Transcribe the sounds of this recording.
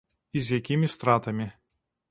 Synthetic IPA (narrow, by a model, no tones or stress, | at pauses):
ɪzʲɛkʲɪmʲɪst̪ɾɑːt̪ɐmʲɪ